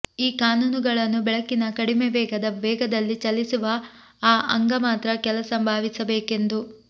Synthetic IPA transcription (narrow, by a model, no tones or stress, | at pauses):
iːkaːnuːnuɡɐɭɐnːubɛɭɐkːinɐkɐɽimeʋɛːɡɐd̪ɐʋɛːɡɐd̪ɐlːit͡ʃɐlːisuʋɐ | aːʔɐŋɡɐmaːt̪ɾɐkɛlɐsɐmbʱaːʋisɐbeːke̞nd̪u